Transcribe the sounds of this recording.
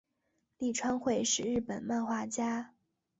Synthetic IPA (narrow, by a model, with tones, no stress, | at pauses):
li˥˩ʈ͡ʂʰwa˥nxwe˥˧ɪʂɻ̩˨˩ɻɻ̩˥˩pə˨˩nma˥˧nxwa˥˩t͡ɕja˥